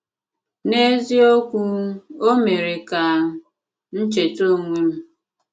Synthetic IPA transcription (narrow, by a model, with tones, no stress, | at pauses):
ne˦zi˦o˦kʷu˦o˦me˨ɾe˨ka˨ | n̩˦t͡ʃe˨to˦˨ŋʷi˦m̩˦